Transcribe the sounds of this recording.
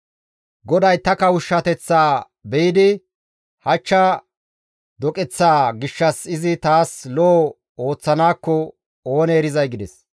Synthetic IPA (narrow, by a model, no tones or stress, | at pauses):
ɡɔd̪ɐjt̪ɐkɐwʊʃːɐt̪ɛt͡sːaː | bɛjɪd̪ɪ | hɐt͡ʃːɐ | d̪ɔkʼɛt͡sːaːɡɪʃːɐsɪzɪt̪aːslɔ | o̞ːt͡sːɐnaːkːɔ | oːnɛːɾɪzɐjɡɪd̪ɛs